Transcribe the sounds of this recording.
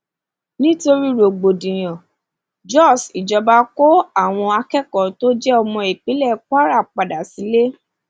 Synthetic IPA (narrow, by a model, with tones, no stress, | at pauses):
nĩ˦to˧ɾi˦ɾo˨ɡ͡bo˨dĩ˨j̃ɔ̃˨ | d͡ʒɔ˦˨si˨d͡ʒɔ˧ba˧˦ko˦a˦˨w̃ɔ̃˧a˧kɛ˦kɔ˨to˦d͡ʒɛ˦ɔ˧mɔ̃˧i˨k͡pe˨˦lɛ˦˨k͡pa˦ɾa˦˨k͡pa˨da˨si˨˦le˦